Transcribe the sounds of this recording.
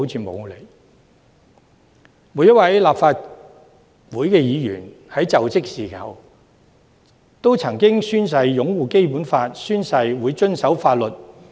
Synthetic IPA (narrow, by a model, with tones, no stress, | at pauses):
wt͡sʰiː˧mo̰˨˧wle˨˩j | muː˨˥jɐ˥t̚wɐ˨˥jlaː˨pfaː˧t̚ | wuː˨˥jkɛː˧jiː˨˧jy̰ː˨˩n | hɐ˨˥jt͡sɐ˨wt͡sɪ˥k̚siː˨˩kɐ̰˨˧w | t̪o˥wt͡sʰɐ˨˩ŋkɪ˥ŋsyː˥ns̬ɐ˧jːʊ˨˥ŋwuː˨ke˥jpuː˨˥nfaː˧t̚syː˥nsɐ˧jwuː˨˧jt͡ʃɵ˥nsɐ˨˥wfaː˧t̚lɵ˨t̚